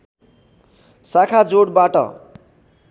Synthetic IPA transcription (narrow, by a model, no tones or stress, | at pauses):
sakʰad͡zoɽbaʈʌ̰